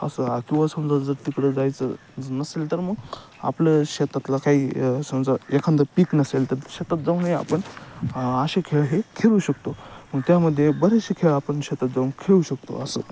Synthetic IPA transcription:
ə̰səakiʋasəmd͡zad͡zəɾt̪ikɽəd͡zajt͡sə̰ | d͡znəselt̪əɾməɡ | a̰plaɕet̪at̪lakaɦiːsəmd͡zaekʰand̪apiknəselt̪əɾɕet̪at̪̚d͡zaũnaja̰pəɳ | aɕekʰeɭɦekʰeɭuɕək̚t̪oməɡt̪jaməd̪ʱːjebəɾeɕekʰeɭapəɳɕet̪at̪d͡zaunkʰeɭuɕək̚t̪o̰əsə

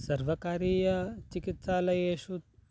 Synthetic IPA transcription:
sɐɾʋɐkaːɾiːjɐt͡ʃikit̪saːlɐjeːʃut̪

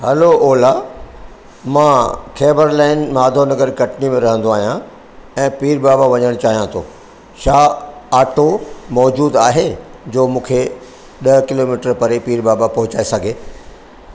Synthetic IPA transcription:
hɐloɔːla | mãːkʰɛːbəɾlaːɪnmaːd̪ʱonɐɡəɾkɐʈnimẽɾɐɦə̃nd̪oaːɦijã | ɛ̃ːpiːɾbaːbaʋɐɲəɽ̃t͡ɕaːɦijãt̪ʰoː | ʃaːaːʈomɔːd͡ʑuːd̪aːɦed͡ʑoːmũːkʰe | ɗɐkɪloːmiːʈəɾpɐɾepiːɾbaːbapɐɦʊt͡ɕaːesɐɡʱeː

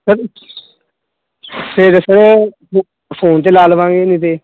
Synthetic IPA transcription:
səɾ | seɾesəɾoː | pʰoːnt̪eːlaːlʋãːŋɡeːnĩːt̪̬eː

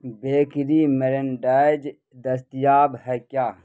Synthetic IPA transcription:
beːkɾimeɾenɖaːjd͡ʒ | d̪ɐst̪ijaːbhɛkjaː

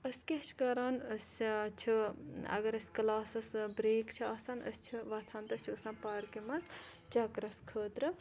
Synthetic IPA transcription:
əsʲkʲeʃʰkɐɾaːnəsʲt͡ʃʰiɐ̰ɡɐɾɐsʲklaːsɐsbɾeːkt͡ʃʰiɐsɐnə̰st͡ʃʰiʋɐt̪ʰaːnt̪ɐst͡ʃʰuksãːnpɐːɾkimɐnz | t͡ʃɐkɾɐskʰəːt̪ɾɨ

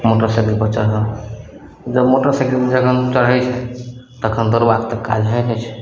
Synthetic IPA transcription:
moʈəɾsekilpəɾt͡ʃəɦə | d͡ʒəbmoʈəɾseklmed͡ʒəkʰənt͡ʃəɽɦɛt͡ʃʰɛt̪əkʰənd̪əɾbakt̪əkːa̰d͡ʒɦɛjnɛt͡ʃʰɛ̥

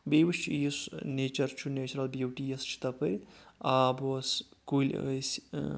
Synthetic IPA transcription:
beːʋiʃt͡ʃʰjisneːt͡ʃɐɾt͡ʃʰuneːt͡ʃɐɾɐlbjuʈiest͡ʃʰi̥t̪ɐpɐɾʲaːboskuːl̰ʲs

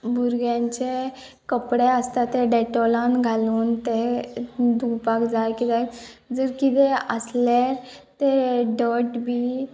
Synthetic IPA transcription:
bʱuɾɡjãɲt͡ɕe | kəpɽeəst̪at̪eɖɛʈolãnɡʱaluːnt̪e | d̪ʱupakd͡zajkit̪ɛd͡zəɾkit̪eəsleɾ | t̪eɖəɾʈbʱiː

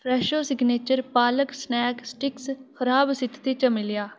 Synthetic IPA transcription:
pʰɾɛːʃoːsɪɡneːt͡ʃəɾpaːləksnɛːksʈɪksxəɾaːbsɪt̪ʰt̪eːt͡ʃəmɪlɪjaː

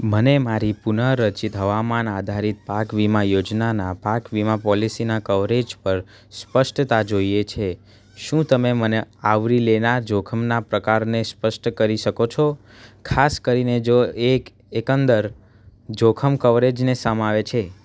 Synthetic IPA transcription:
mənemaɾipunəɾːət͡ʃit̪ɦəʋamanad̪ʱaɾit̪̚pakʋimajod͡ʒnanapakʋimapɔlisinakəʋɾed͡ʒpəɾ | spəʃʈt̪ad͡ʒoijet͡ʃʰe | ʃũt̪əmeməneaʋɾilenaɾd͡ʒokʰəmnapɾəkaɾnespəʃʈkəɾiʃəkot͡ʃʰo | kʰaskəɾined͡ʒoek | ekə̃nd̪əɾ | d͡ʒokʰəmkəʋɾed͡ʒnesəmaʋet͡ʃʰe

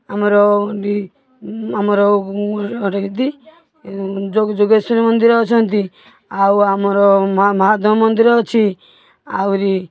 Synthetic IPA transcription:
amɔɾɔi | amɔɾɔ | ɾt̪i | d͡ʒod͡ʒoɡesɾmɔnd̪iɾɔt͡ʃʰɔnt̪i | awamɔɾɔmmɔɦad̪ɔmɔnd̪iɾɔt͡ʃʰi | a̰wɾi

